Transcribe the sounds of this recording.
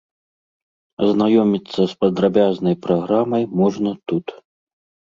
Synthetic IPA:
ɐznajɔmʲit̪sːɐspɐd̪ɾabʲaznɐjpɾaɣɾamɐjmɔʐnɐt̪ut̪

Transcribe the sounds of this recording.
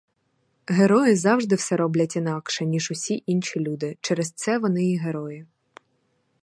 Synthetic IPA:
ɦeɾɔjɪzɑwʒd̪ɪwsɛɾɔblʲɐtʲinɑkʃɛnʲiʒʊsʲiʔinʃʲilʲud̪ɪt͡ʃɛɾɛst̪sɛʋɔnɪiɦeɾɔjɪ

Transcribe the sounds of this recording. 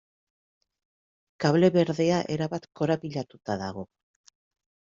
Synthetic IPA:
kaβle̞βe̞ɾðe̞aʔe̞ɾaβat̪ko̞ɾaβiʎat̪ut̪aðaɣ̞o̞

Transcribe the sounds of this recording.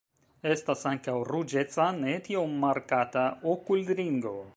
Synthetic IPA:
est̪asaŋkawrud͡ʒet͡sanet̪iommːaɾkat̪aokuld̪ɾiŋɡo

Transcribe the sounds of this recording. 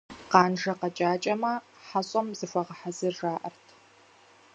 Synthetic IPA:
qɑːnʒɐqɐt͡ʃʼaːt͡ʃʼɐmɐ | ħaɕʼɐmzɨfʷɐʁɐħazɨrʒaːʔɐ̰rtʰ

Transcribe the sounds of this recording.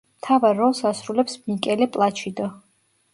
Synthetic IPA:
mt̪ʰavaɾːɔlˠsasɾulɛpsmikʼɛlɛpʼlˠat͡ʃʰid̪ə

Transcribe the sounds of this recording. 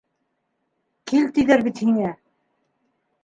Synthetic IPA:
kilt̪ijðæɾbit̪hiŋæ

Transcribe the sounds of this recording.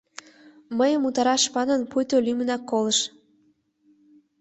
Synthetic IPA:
məjəmut̪ɑɾɑʃpɑnənpujt̪olymənɑkːolə̆ʃ

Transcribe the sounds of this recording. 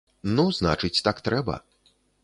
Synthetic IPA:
nuzna̰t͡ʂɨt͡sʲt̪akt̪ɾɛbɐ̰

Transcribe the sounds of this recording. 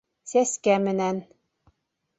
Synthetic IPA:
sæskæmɘ̆næn

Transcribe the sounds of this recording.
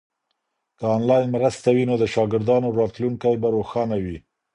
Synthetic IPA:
kəɑnlɑjnmɾəst̪awinod̪əʃɑɡɪɾd̪ɑnoɾɑt̪luŋkajbaɾoxɑnawi

